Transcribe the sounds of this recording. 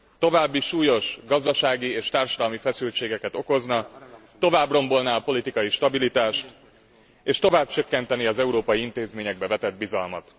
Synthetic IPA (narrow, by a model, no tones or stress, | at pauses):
t̪o̞vaːbːiʃuːjo̞ʃɡɒzd̪ɒʃaːɡieːʃt̪aːrʃɒd̪ɒlmifɛsylt͡ʃeːɡɛkɛt̪o̞ko̞znɒt̪o̞vaːbro̞mbo̞lnaːɒpo̞lit̪ikɒjiʃt̪ɒbilit̪aːʃt̪ | eːʃt̪o̞vaːb̚t͡ʃøkːɛnt̪ɛniɒzɛuɾoːpɒjiint̪eːzmeːɲɛɡ̚bɛvɛt̪ɛd̪̚bizɒlmɒ̰t̪